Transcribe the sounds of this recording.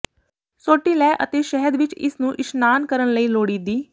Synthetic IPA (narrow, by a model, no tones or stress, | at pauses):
soːʈiːlɛːʔət̪eːʃɛɦəd̪ʋɪt͡ʃɪ̰snũːʔɪʃnaːnkəɾənləiːloːɽiːd̪iː